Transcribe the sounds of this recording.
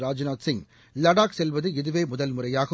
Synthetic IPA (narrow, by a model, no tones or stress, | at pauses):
ɾaːd͡ʒɯnaːt̪sɪŋ | lɐɽaːksɛlʋɐðɯɪðɯʋeːmʊðɐlmʊrɐjaːɣɐ